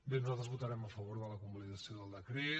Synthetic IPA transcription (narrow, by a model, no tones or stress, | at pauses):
benuzalˠt̪ɾəzβut̪əɾɛməfəβoɾðələkumbaliðəsioðəlˠd̪əkɾe